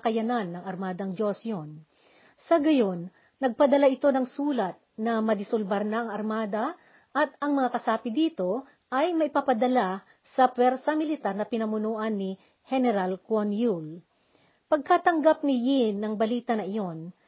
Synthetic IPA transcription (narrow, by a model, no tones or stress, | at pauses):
kɐjɐnanːɐŋɐɾmaːd̪ɐŋd͡ʒo̞sjon | sɐɡɐjonː | ɐɡ̚pɐd̪ɐlaʔɪt̪o̞nɐŋsuːlɐt̪̚nɐmɐd̪ɪsʊlbɐɾnaʔɐŋɐɾmaːd̪ɐ | ʔɐt̪ɐŋmɐŋakɐsaːpɪd̪iːt̪o̞ | ʔɐjmɐʔɪpapɐd̪ɐla | sɐpwɛɾsɐmɪlɪt̪aɾnɐpɪnɐmʊnuːʔɐnːɪ | hɛnɛɾalkwonjul | pɐɡ̚kat̪ɐŋɡap̚nɪjinːɐŋbɐliːt̪ɐnɐʔɪjo̞n